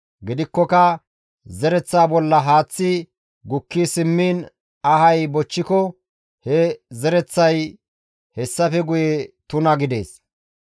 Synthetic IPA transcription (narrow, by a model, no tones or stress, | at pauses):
ɡɪd̪ɪkːɔkɐ | zɛɾɛt͡sːaːbɔlːɐɦaːt͡sːɪ | ɡʊkːisɪmːiːn | ɐhɐjbɔt͡ʃːɪkɔ | hɛzɛɾɛt͡sːɐj | hɛsːɐfɛɡʊjɛt̪ʊnɐɡɪd̪e̞̰ːs